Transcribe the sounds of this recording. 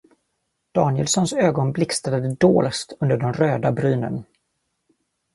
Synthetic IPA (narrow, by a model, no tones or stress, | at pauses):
d̪̥ɑːnɪjə̰lsɔnsøːɡɔnblɪkst̪ad̪əd̪əd̪oːlst̪ʰɵnd̪əɖɛmɾøːd̪abɾyːnə̰n